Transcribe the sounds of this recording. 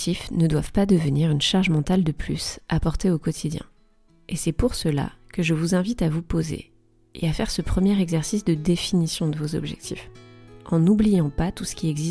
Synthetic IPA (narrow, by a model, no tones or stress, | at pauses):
t̪ʰifnəd̪wavpad̪əvəniʁynʃaʁʒmɑ̃t̪ald̪əplysapɔʁt̪eokɔt̪ʰid̪jɛ̰̃ | esɛpuʁsəla̰kəʒəvuzɛ̃vit̪avupozḛ | ḛafɛʁsəpχəmjɛʁɛɡzɛʁsisd̪əd̪efinisjɔ̃d̪əvozɔ̰bʒɛ̰k̚t̪ʰifɑ̃nublijɑ̃pat̪usə̥kʲiɛɡzi